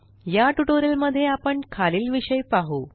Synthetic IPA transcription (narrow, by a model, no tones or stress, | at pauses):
jaʈuʈoɾelməd̪ʱːjeapəɳkʰaliːlʋiɕəjpaɦu